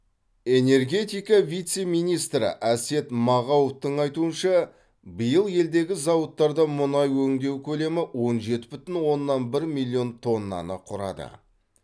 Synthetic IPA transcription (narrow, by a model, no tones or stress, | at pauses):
e̞ne̞rɡʲe̞t̪ijkɑvʲijt̪se̞mijnijst̪ɾɪ̰ʔæse̞t̪mɑʁɑwoft̪əɴɑjt̪uənʃɑ | bəjəlˠje̞ld̪e̞ɡʲɪzɑwət̪ːɑɾd̪ɑmʊnɑjwɵŋd̪e̞wkʲʰɵle̞mɪwo̞nʒe̞t̪ɪbʏt̪ɪnwo̞nːɑnbɪɾmilʲˠːijo̞nt̪ʰo̞nːɑ̰nə̰qʰʊɾɑ̰d̪ə̰